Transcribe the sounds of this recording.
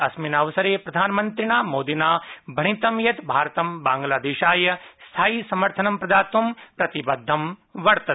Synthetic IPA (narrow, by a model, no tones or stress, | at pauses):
ɐsminɐʋɐsɐɾeːpɾɐd̪ʱaːnmɐ̃nt̪ɾinaːmoːd̪inaːbʱɐɳ̃it̪ɐmjɐt̪bʱaːɾt̪ɐmbãːŋɡlaːd̪eːʃaːjɐst̪ʰaːisɐmɐɾt̪ʰɐnɐmpɾɐd̪aːt̪ʋɐmpɾɐt̪ibɐd̪ʱːɐmʋɐɾt̪ɐ